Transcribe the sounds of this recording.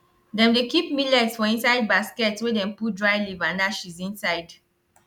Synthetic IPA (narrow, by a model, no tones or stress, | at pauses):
dɛ̃mdekip̚milɛtsfɔĩnsaɪd̚baskɛtswɛdɛ̃mput̚dɹaɪlivãndaʃizĩnsaɪd